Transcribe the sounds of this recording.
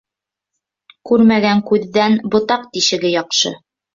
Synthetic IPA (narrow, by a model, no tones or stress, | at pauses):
kʉɾmæɡæŋkʉðːænbŏt̪ɑq̚t̪iʃɘ̆ɡɘjɑqʃɤ̰